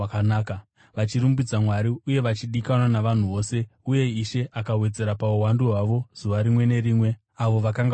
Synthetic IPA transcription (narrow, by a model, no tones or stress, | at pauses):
anaːka | ʋat͡ʃiɾumbid͡zamwaɾiuje̞ʋat͡ʃiɗikanwanaʋan̤uʋo̞ːse̞uje̞iʃe̞ʔakawe̞d͡ze̞ɾapauwanduɦwaʋo̞z̥uʋaɾimwe̞ne̞ɾiːmwe̞ | aʋo̞ʋakaŋɡ